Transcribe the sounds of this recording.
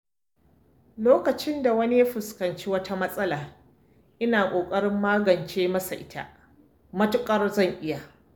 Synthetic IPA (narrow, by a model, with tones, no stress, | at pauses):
loː˦kɐ˨t͡ʃɪ˦nda˨wɐ˦ni˦ja˦ɸʊ˨skɐ˨nt͡ʃiː˦wɐ˦tʰa˦mɐ˦sʼɐ˦laː˨ | ʔɪ˦naː˨kʷʼoː˨kʼɐ˦ɽɪ˦mːaː˦ɡɐ˨nt͡ʃeː˦mɐ˦sa˨ʔɪ˦ta̰˦˨ | mɐ˦tʊ˦kʼɐ˦rzɐ˦˨ŋʔɪ˦ja˨